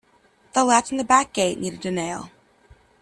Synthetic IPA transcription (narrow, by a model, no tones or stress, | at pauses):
ðəlætsn̩ðəbæk̚ɡ̥eɪʔⁿniɾɨdɨneɪlˠ